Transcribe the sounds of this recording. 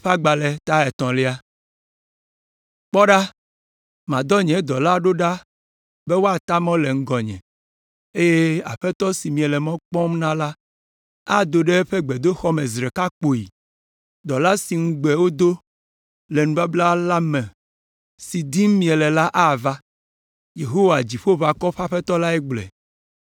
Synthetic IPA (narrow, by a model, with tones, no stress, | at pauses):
ɸa˦ɡ͡ba˨le˨t̪a˦ɛ˨t̪ɔ̃˨li˦a˦ | k͡pɔ˦ɖa˦ | mã˨d̪ɔ˦ɲɛ̃˨˦d̪ɔ˨la˦ɖo˦ɖa˦ | be˦wo˦a˨t̪a˦mɔ̃˦le˨ŋ̩˦ɡɔ˨ɲɛ̰̃˨ | e˦je˦a̰˨ɸɛ˦t̪ɔ˦si˨mĩ˨ɛ˨lɛ˨mɔ̃˦k͡pɔ̃˦mnã˦la˦ | a˦d̪o˨ɖe˦ɸɛ˦ɡ͡bɛ˨d̪o˦xɔ˦me˨zɾɛ˨ka˦k͡po˨i˨ | d̪ɔ˨la˦si˨ŋ̩˦ɡ͡bɛ˨wo˦d̪o˦ | lɛ˨nũ˨ba˦bla˦la˦mɛ̃˨ | si˨d̪i˦m˦mĩ˨ɛ˨lɛ˨la˦ʔa˦˨va˦ | je˨ɦo˦wa˨d͡ʑi˨ɸo˦va˨kɔ˦ɸa˦ɸɛ˦t̪ɔ˦la˦ɛ˦ɡ͡blɛ̰˨